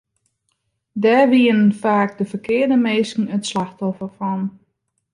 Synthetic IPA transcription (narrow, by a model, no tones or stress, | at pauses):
dɛrʋiənfaːk̚dəfərkʰɪərdəmeːskŋ̩ətslaxtɔfərfɔn